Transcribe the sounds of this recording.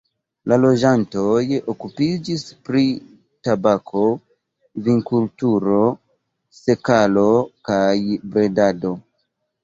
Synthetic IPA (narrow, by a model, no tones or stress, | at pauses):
lalo̞d͡ʒanto̞jokupid͡ʒispɾi | tabakʰo̞ | viŋkultuɾo̞ | se̞kalo̞kajbɾe̞dado̞